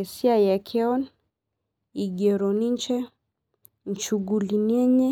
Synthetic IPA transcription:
ɛsiajakʰɛɔn | iɡɛɾɔniɲt͡ʃɛ | n̩t͡ʃuɡuliniɛɲɛ

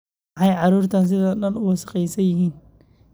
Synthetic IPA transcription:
ħɑjʕɑɾuːrt̪ʰɐns̬ɪðɐɗɐnʊwɐsɐ̥qɛjsɐjɪɦiːn

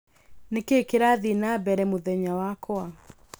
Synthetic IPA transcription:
nekekeɾaðinabɛɾɛmoðɛɲawakɔa

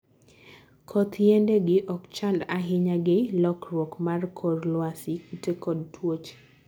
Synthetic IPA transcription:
kʰɔt̪jendeɡɪʔɔkt͡ʃandaɦɪɲaɡelɔkɾwokmarkʰɔɾlwasikitekɔd̚twot͡ʃ

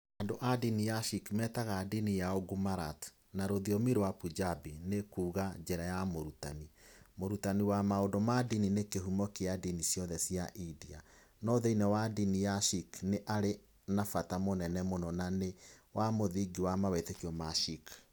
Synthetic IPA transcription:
andoʔadinijaʃikmɛtaɣadinijaoɡumaɾat | naɾoðiɔmiɾowapud͡ʒabinekuːɣad͡ʒɛɾajamoɾuta̰nimoɾutaniwamaodɔmadininekeɦumɔkeadinisjɔðɛsjaʔidia̰ | nɔðeinɛwadinijaʃikneʔaɾe | nafatamonɛnɛmonɔnanewamoðiɡiwamawetekiɔmaʃik

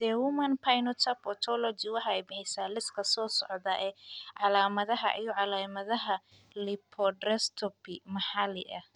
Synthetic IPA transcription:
d̪̥ɛwʊmɐnpʰajnɔt̪ʰɐpɔt̪ʰɔlɔd͡ʒɪwɑħɑɛjbɪħɛjsaːlɪskʰɐsɔːsɔ̰ʕðaːʔɛːʕɑlaːmɐðɐɦɐ̰ʔijɔʕɑlaːmɐðɐɦɐ | lɪpʰɔdrɛst̪ʰɔpɪmɐħɑlɪʔɐ

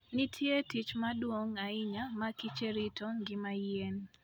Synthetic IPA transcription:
nɪtʰjetit͡ʃmadwoŋaɪɲamakit͡ʃeɾitoŋɡɪmajen

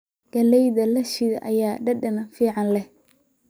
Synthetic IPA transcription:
ɡ̥ɐlɛjðɐlɐʃɪðɐʔɐ̰jaːɖɐɖɐnɐfiːʕɑnlɛh

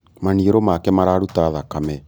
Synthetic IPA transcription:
manieɾomakɛmaɾaɾutaðakamɛ

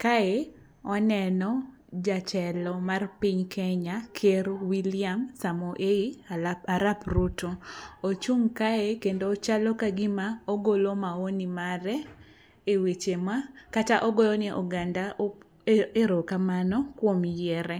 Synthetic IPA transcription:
kae | ɔnɛnɔ | d͡ʒat͡ʃɛlɔmarpiɲkʰɛɲakʰeɾwilɪamsamoʔeiaɾaprutoot͡ʃuŋkaekendoːt͡ʃalɔkaɡɪmaoɡolomaonimaɾɛ | ewet͡ʃemakataʔɔɡolonɪʔɔɡandao | eɾokamanɔkwomjɛɾɛ

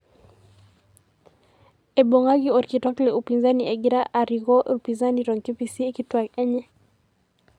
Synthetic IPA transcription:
eboŋaɡiɔɾkitwaklɛupinzanieɡiɾaʔaɾiɡɔʔupinzaniɾɔŋkipisiekitwakɛɲɛ

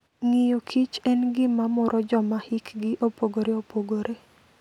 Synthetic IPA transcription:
ŋijokʰit͡ʃɛnɡɪmamɔɾʔɔd͡ʒɔmahikɡɪʔopoɡoɾeopoɡoɾʔe

